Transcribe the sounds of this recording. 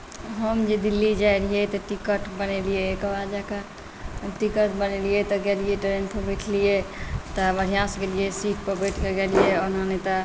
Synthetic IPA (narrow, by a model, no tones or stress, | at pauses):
ɦəmd͡ʒed̪ilːid͡ʒajɾiijet̪ɔʈikəʈbənelijekəbad͡ʒakə | ʈikəʈbəneliet̪ɔɡelijeʈəɾenpʰəbeʈʰlijet̪ɔbəɾʱijãsɡeliesiʈʰpəɾbeʈʰkeɡelijeonanet̪ɔ